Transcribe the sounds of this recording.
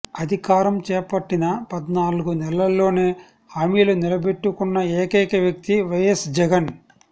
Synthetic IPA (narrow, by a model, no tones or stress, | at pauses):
ɐd̪ʱikaːɾɐmt͡ʃɛːpɐʈːinɐpɐd̪naːluɡunɛlɐlːo̞ːneː | haːmiːlunilɐbe̞ʈːukunːɐeːkɐjkɐʋjɐk̚t̪iʋɐjesd͡ʒɛɡɐn